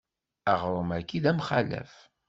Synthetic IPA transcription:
æʁɾˤəmækːid̪æmχalæ̰f

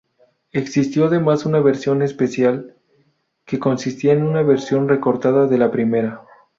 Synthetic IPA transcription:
eksist̪jo̞aðe̞masunaβe̞ɾsjo̞ne̞spe̞sjal | ke̞ko̞nsist̪iaenunaβe̞ɾsjo̞nre̞ko̞ɾt̪aðaðe̞lapɾime̞ɾa

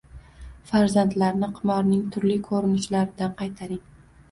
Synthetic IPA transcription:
faɾzant̪laɾnɪqʰɨmɒɾnɪŋt̪ʰʊɾlɪkʰoɾɪnɪʃlaɾɪd̪anqʰɑjt̪ʰaɾɪŋ

